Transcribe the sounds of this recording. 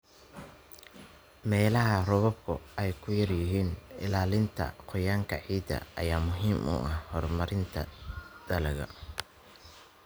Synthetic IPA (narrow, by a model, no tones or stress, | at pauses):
mɛːlɐɦɐrɔβɔb̚kʰʊ̰ɛjkʰʊjɐrjɪɦiːnɪ̰laːlɪnt̪ʰɐ̰qʰɔjaːŋkʰɐʕiːd̪ɐ̰ʔɐ̰jaːmʊɦiːmʔṵːʔɐhhɔrmɐɾɪnt̪ʰɐd̪̥ɐlɐɣɐ̰